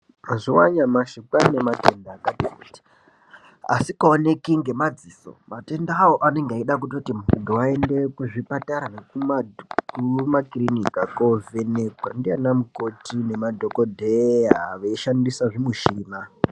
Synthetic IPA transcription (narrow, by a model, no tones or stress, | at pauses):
aʐiwaɲamaʃikanematendaːkatikuti̥ | a̰sikaone̞kiŋɡe̞mad͡ziso̞̰mate̞ndaːwoʔane̞ŋɡaiɗak̬utotimundowae̞nde̞kuʐipataɾanekumakumakrinikakove̞nekwa̰ndianamukotine̞madʱokodʱeaaʋeʃandisaʐimuʃiːma